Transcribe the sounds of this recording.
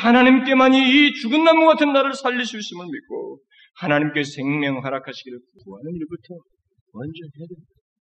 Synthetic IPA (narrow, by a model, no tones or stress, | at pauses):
hanaɲimk͈e̞maɲiːt͡ɕuɡɯnːamuɡatʰɯnːaɾɯɭsʰaʎːiɕʰuiɕ͈imɯɭmit̚k͈o̰ | hanaɲimk͈esʰe̞ŋmjʌŋɭɦaɾakʰaɕʰiɡiɾɯɭkuɡuɦanɯniɭbutʰʌ | wʌnd͡ʑʌnede